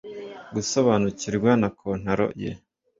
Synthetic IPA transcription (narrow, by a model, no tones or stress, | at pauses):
ɡusoβaːnuciɾɡwanakʰon̥haɾo̰jḛ